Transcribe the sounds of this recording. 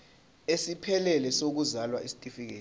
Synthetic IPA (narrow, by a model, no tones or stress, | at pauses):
esipʰɛlɛlɛsok̬uzalwaʔisi̥tʼifik̬ḛː